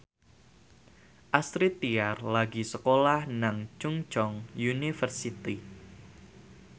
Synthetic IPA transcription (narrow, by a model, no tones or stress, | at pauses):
ʔast̪ɾit̪iarlaɡisəkolahnaŋt͡ʃuŋt͡ʃɔŋjunifərsit̪i